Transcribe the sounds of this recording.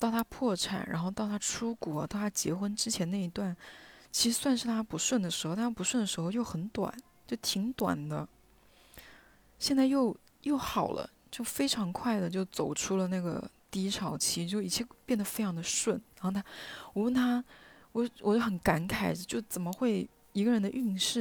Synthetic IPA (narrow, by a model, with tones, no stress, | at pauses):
t̪ɑ˥˩ʊt̪ʰa˥pʰwɔ˥˩ʈ͡ʂʰa̰˨˩nɻʔa̰˧˥nxo˥˧ʊt̪ɑ˥˩ʊt̪ʰa˥ʈ͡ʂʰu˥kwɔ˨˩˦t̪ɑ˥˩t̪ʰa˥t͡ɕjɛ̰˧˥xwə˥nʈ͡ʂɻ̩˥t͡ɕʰjɛ˧˥nna˥˩i˧˥t̪wa˥˩nt͡ɕʰi˧˥ʂɻ̩˧˥swa˥˧nʂɻ̩˥˩t̪ʰa˥pu˧˥ʂwə˥˩nd̪ə˩ʂɻ̩˧˥xʊ˥a˥pu˧˥ʂwə˥˩nd̪ə˩ʂɻ̩˧˥xo˧ʊjo˥˩ʊxə˧˥nt̪wa̰˨˩˦n | t͡ɕjo˥˩ʊt̪ʰi˧˥ŋt̪wa̰˨˩nd̪ə˦ | ɕjɛ˥˧nt͡sa˥˧ɪjo˥˩ʊ | jo˥˩ʊxɑ˨˩ʊlʔə̰˦ | t͡ɕjo˥˩ʊfe˥ɪʈ͡ʂʰɑ˧˥ŋkʰwa˥˩ɪd̪ə˩t͡ɕjo˥˩ʊt͡so˨˩ʊʈ͡ʂʰu˥lə˨na˥˩ɡə̰˩t̪i˥˧i˥ʈ͡ʂʰɑ˨˩ʊt͡ɕʰi˧˥t͡ɕjo˥˩ʊi˨˩jɛ˥˧pjɛ˥˩nd̪ə˩fe˥ɪʈ͡ʂʰɑ˧˥ŋd̪ə˧ʂwə˥˩nɻa˧˥nxo˥˩ʊt̪ʰa˥wɔ˨˩wə˥˩nt̪ʰa˥ | wɔ˨˩wɔ˨˩t͡ɕo˥˩ʊxə˧˥nka˧˥nkʰa˨˩ɪə˧˦t͡ɕjo˥˩ʊt͡sə˨˩nmə˦xwe˥˩ɪ | i˧˥ɡə˧ɻə˧˥nd̪ə˧ʔy˥˧ŋʂɻ̩˥˩